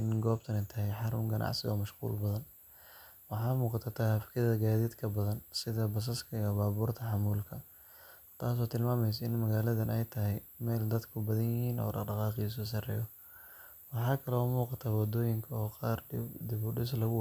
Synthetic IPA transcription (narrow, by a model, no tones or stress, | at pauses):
ɪnɡɔːb̚t̪ʰɐnɛjt̪ʰɐɦɛjħɑɾʊŋɡɐnʔɑ̰ʕsɪɣɔ̰ːmɐʃqṵːlbɐðɐn | wɑħɑːmuːqɑt̪ʰɐt̪ʰaːhɐfkʰɐððɐɡaːðiːd̪kʰɐbɐðɐnsɪðɐbɐs̬ɐskʰɐijɔbaːβuːrt̪ʰɐħɑmuːlkʰɐ | t̪ʰaːs̬ɔːt̪ʰɪlmaːmɛjs̬ɐɪnmɐɣaːlɐðɐnɛjt̪ʰɐɦɛjmɛːld̪ɐd̪kʰʊbɐðɐnjɪhiːnɔ̰ːɖɑɖɑqɑːqis̬ɔːs̬ɐrɛ̰ːjɔ | wɑħɑːkʰɐlɔmuːqɑt̪ʰawɑd̪ɔːjɪŋkʰɐɔːqɑːrd̪ɪβʊɖɪs̬lɐɣʊ